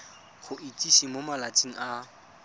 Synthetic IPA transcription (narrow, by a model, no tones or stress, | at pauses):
χʊʔitʼiʃimomalat͡sʼiŋ̩a